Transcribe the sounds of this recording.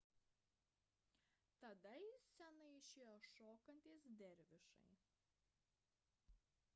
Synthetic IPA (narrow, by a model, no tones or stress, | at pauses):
t̪ɐd̪ɐjɪsʲɛnɐɪɪʃʲeːjoːʃoːkɐnʲt̪ʲiːsd̪ʲɛɾʲʋʲɪʃɐ̰ɪ